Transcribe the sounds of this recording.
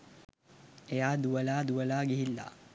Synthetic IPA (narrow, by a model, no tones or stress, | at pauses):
ejaːd̪uʋɐlaːd̪uʋɐlaːɡiɦilːa̰